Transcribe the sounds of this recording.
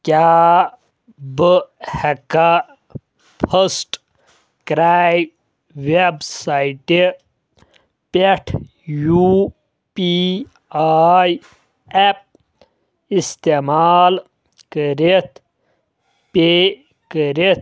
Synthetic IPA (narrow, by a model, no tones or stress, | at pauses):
ka | bəheka | pʰəsʈ | kɾaj | websaiʈe | peʈʰ | ju | pi | aj | ep̚ | ist̪emaːl | kəɾet̪ʰ | pe | kəɾet̪̚